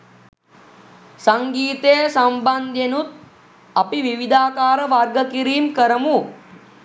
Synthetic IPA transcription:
saŋɡiːt̪ejsamband̪jenut̪̚ | apiʋiʋid̪aːkaːɾəʋarɡəkiɾiːmkəɾəmu

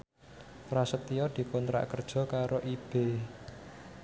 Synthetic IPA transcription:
rasət̪ːijɔd̪̥i̤kont̪ɾa̰ʔkərd̥ʒ̥ɔ̤kaɾoʔib̥e

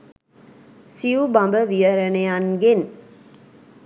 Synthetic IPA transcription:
sijubambəʋijəɾənejanɡen

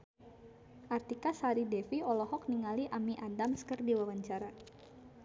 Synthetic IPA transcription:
ʔart̪ikasaɾidɛfiɔlɔɦɔk̚niŋaliʔamiʔadamskərdiwawaɲt͡ʃaɾa

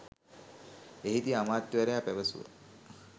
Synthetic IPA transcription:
eɦit̪iamaːt̪jʋɐɾejaːpæʋəsṵʋə̰

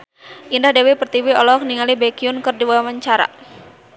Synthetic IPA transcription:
ʔindahdewepərt̪iwiɔlɔk̚niŋalibekiʊnkɨrdiwawawaɲt͡ʃaɾa̰

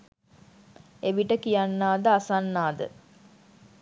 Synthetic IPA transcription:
eʋiʈəkijanːaːd̪əasanːaːd̪ə̰

